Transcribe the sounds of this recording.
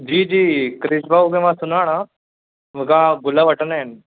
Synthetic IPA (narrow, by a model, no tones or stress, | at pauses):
d͡ʒiːd͡ʒiːkɾɪʃbaːukẽʋãːsʊnaːɽ̃ã | ʋkãːɡʊlaʋəʈənɪn